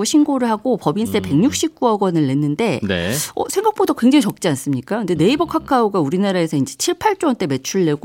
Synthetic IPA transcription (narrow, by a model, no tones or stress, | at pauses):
oɕʰinɡoɾɯɭhaɡopʌbins͈ʰepe̞ŋɲuk̚ɕ͈ip̚k͈uʌɡwʌnɯɭːe̞nːɯnde̞nḛʌ̰sʰeŋɡak̚p͈odakwe̞ŋd͡ʑaŋit͡ɕʌk̚t͡ɕ͈ians͈ɯmɲik͈ajkɯnde̞ne̞ibʌkʰakʰaoɡauɾinaɾae̞sʰʌind͡ʑe̞t͡ɕʰiɭpʰaɭt͡ɕ͈oɦant͈e̞me̞t͡ɕʰuɭːe̞ɡo